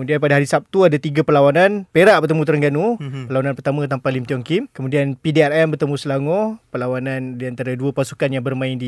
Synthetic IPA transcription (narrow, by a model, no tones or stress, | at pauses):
mudianpadaɦaɾisap̚t̪uadat̪iɡapəlawananpeɾaʔbərt̪əmũt̪əɾəŋɡanupəlawananpərt̪amə̃t̪ampalimt̪iɔŋkimkəmũdianpideɛɾɛmbərt̪əmũsəlaŋɔpəlawanãndiant̪aɾaduəpasukanjaŋbərmãɪndi